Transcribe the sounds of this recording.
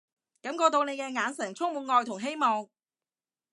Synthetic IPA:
kɐ˨˥mkɔː˧t̪o˧wne˨˧jkɛː˧ŋaː˨˧nsɛ˨˩ŋt͡sʰʊ˥ŋmuː˨˩ŋɔː˨˧jt̪ʰʊ˨˩ŋɦe˥jmɔː˨ŋ

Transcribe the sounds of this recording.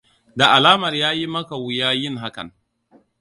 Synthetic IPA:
da˨ʔa˨laː˦mɐ˨rjaː˦ji˦mɐ˦ka˨wu˨˦jaː˦jɪ˦ŋɦa˦kɐ̰˨n

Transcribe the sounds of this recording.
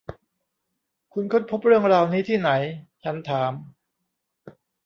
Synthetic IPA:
kʰu˧nkʰo˥˩n̚pʰo˦˥p̚ɾɯ˥˩əŋɾaː˧wniː˦˥t̪ʰiː˥˩na˩˦jt͡ɕʰa˦˥nt̪ʰaː˩˦m

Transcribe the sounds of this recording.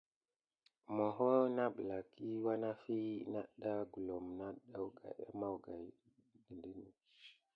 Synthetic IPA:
mɔ˨ɦɔ˦na˦bla˨ki˦wa˦na˦fi˦na˦ɗa˦ɡu˨lɔ˨mna˦ɗa˦wɡa̰˨ɛ̰˦ma˦wɡa˨j | ɡi˨ndi˦ni˨

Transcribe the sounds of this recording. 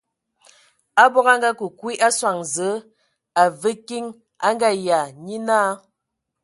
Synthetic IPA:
a˦bɔ˦ɣa˦ŋ˦ɡa˦ku˨kwi˦ʔa˦swa˨ŋzə˨˦ | a˨və˦ki˦ŋ | a˦ŋɡa˦˨ja˨ɲi˦naː˦

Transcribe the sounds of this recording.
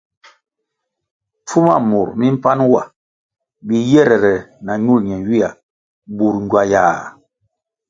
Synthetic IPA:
fu˦ma̰˦˨mu˨ɾmi˦m̩˦pa˦nwa̰˦˨ | bi˨jɛ˦˨ɾɛ˨ɾɛ˨na˨ɲu˦˨lɲɛ˨wi˦a̰˨ | bu˨ɾɲɟwa˨jaː˨

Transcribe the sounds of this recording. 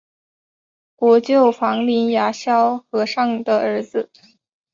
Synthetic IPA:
kwɔ˧˥t͡ɕjo˥˩ʊfɑ˧˥ŋli˧˥nja˧˥ɕjɑ˥ʊxɤ˧˥ʂɑ˥˩ŋd̪ə˩ə˞˧˥d͡zɹ̩˧

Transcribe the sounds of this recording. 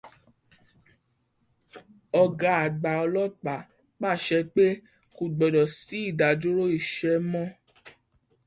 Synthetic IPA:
ɔ˧ɡa˧˦a˨ɡ͡ba˨ɔ˧lɔ˦k͡pa˨˦ | k͡pa˦˨ʃɛ˧˦k͡pe˦ | ku˧ɡ͡bɔ˨dɔ˨si˨˦i˦˨da˨d͡ʒo˦ɾo˦i˦˨ʃɛ˧mɔ̃˦

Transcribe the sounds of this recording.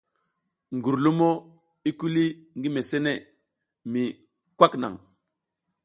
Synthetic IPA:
ŋɡu˨ɾlu˦mo˦ | i˦ku˦li˦ŋɡi˦me˨se˦ne˦˨ | mi˨ | kwa˦kna̰˨ŋ

